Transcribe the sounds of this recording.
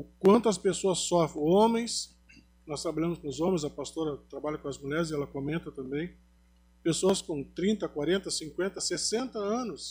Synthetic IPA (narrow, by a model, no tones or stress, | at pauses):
ʊkwɐ̃nt̪ʊɐspesoɐsːɔfɾẽõmẽj̃s | nɔst̪ɾabaʎɐ̃mʊskõʊzõmẽzɐpast̪oɾɐt̪ɾabaʎɐkõɐzmuʎɛɾɪzɪɛlɐkomẽnt̪ɐt̪ɐ̃mbẽj̃ | pesoɐskõt̪ɾĩnt̪ɐkwaɾẽnt̪ɐsĩkwẽnt̪ɐsesẽnt̪ɐɐ̃nʊs